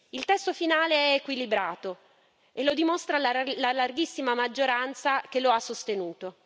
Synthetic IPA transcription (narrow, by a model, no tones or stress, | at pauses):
ilt̪ɛst̪ofinaːleɛekwilibɾaːt̪o | elːod̪imost̪ɾalalalarɡisːimamad͡ʒːoɾant̪sakeloasːost̪enuːt̪o